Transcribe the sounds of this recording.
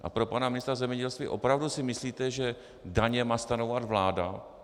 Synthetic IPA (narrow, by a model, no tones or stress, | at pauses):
ʔa̰pɾo̞panamɪnɪst̪ɾazɛmɲɛɟɛlst̪vḭːʔo̞̰pɾavdusɪmɪsliːt̪ɛʒɛ | daɲɛmaːst̪anowad̪vlaːda